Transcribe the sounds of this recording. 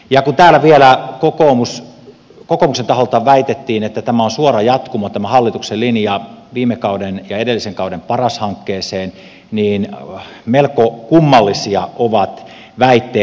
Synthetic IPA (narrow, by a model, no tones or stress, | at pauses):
jɑkunt̪æːlæʋielækokomus | kokomuksent̪ɑholt̪ɑʋæit̪et̪ːiːnet̪ːæt̪æmæonsuorɑjɑt̪kumot̪æmæhɑlːit̪ukselinjɑʋiːmekɑudenjɑedelːiseŋkɑudempɑrɑshɑŋkːeːseːn | niːn | melkokumːɑlːisiɑʔoʋɑt̪ | ʋæit̪ːeː